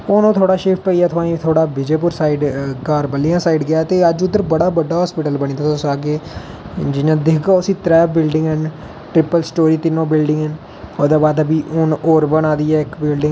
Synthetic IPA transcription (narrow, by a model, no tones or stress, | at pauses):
oːnõːt̪ʰoːɽaːʃeːpʰʈoːijaːt̪ʰʊaːĩːt̪ʰoːɽaːbɪd͡ʒeːpʊɾsaːiɖkaːɾbəlɪjãːsaːiɖɡɪjaːt̪eːəd͡ʒʊd̪ːəɾbəɽaːbəɖːaːɦɔːspɪʈəlbəɽ̃iːd̪aːt̪ːsaːɡeː | d͡ʒɪnãːd̪ɪkʰɡaːəsĩːt̪ɾɛːbɪlɖɪ̃ŋɡɦən | ʈɾɪpəlsʈoːɾiːt̪ɪnːõːbɪlɖɪ̃ŋɡɦən | oːd̪eːbaːd̪əbiːʔʊnoːɾbənaːd̪iːɛːɪkbɪlɖɪ̃ŋ